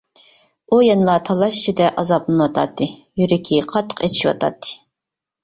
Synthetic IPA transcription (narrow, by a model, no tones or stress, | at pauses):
ujɛnlˠɑt̪ʰɑlˠɑʃt͡ʃʰid̪ɛʔɑzɑplˠɨnɨwɑt̪ʰɑ̰t̪ʰːɨjyɾɪkʲʰiqʰɑt̪ʰːə̥qet͡ʃʰi̥ʃwɑ̰t̪ʰɑ̰t̪ʰːɨ̥